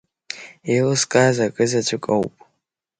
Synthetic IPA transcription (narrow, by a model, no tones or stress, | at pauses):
elɨskʼazakʼɨzat͡ʃʷʰɨkʼa̰wpʼ